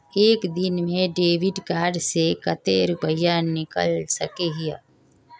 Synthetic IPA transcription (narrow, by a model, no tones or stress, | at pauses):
eːkd̪ɪnmẽɖeːʋɪɖkaːɾɖsekət̪eːɾʊpəjanɪkə̰lsəkeɦija